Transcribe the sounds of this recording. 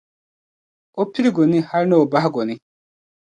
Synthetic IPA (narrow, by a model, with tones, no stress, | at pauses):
ɔ˦pʰːi˦ɾi˦ɡɔ˨ni˦ha˦ɾnɔ˨ba˦ɦɡɔ˨ni˦